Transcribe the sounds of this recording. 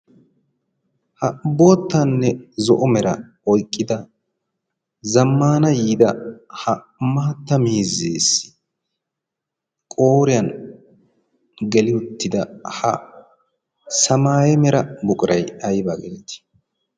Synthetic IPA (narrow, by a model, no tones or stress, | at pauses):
hɐboːt̪ːɐnːɛzɔʔɔmɛɾɐ̰ | ɔjkʼːɪd̪ɐ | zɐmːaːnɐjiːd̪ɐhɐ | maːt̪ːɐmiːzeːsːɪ̥ | kʼoːɾɪjɐn | ɡɛlɪʊt̪ːɪd̪ɐhɐ̰ | sɐmaːjɛmɛɾɐbʊkʼɪɾʔɐjɐjbaːɡɛlɛt̪ɪ̥